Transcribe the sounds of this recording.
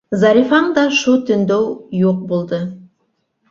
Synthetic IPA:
zɑɾʲifɑɴd̪ɑʃut̪ɵ̆nd̪owjuq̚bulˠd̪ɤ

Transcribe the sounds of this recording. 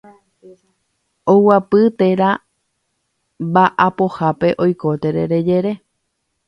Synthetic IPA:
owapɨt̪e̞ɾa | baʔapohape̞ʔo̞jko̞t̪e̞ɾeɾe̞d͡ʒe̞ɾe̞

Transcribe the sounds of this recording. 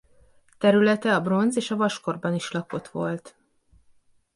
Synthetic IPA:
t̪ɛɾylɛt̪ɛɒbro̞nzeːʃɒvɒʃko̞rbɒniʃlɒko̞t̪ʋo̞lt̪

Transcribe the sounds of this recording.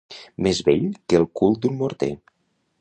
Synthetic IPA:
mezβeʎkəlˠkulˠt̪̚d̪unmoɾt̪ḛ

